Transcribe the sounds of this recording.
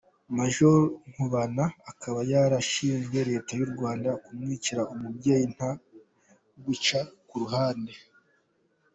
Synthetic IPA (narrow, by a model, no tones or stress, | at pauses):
maʒoɾŋ̥uβanaːkʰaβajaɾaʃiːɲje̞ɾe̞ːtajuɾɡwaːndakumŋiːciɾaumubɟejin̥ha | ɡwut͡ʃakuɾuhaːnde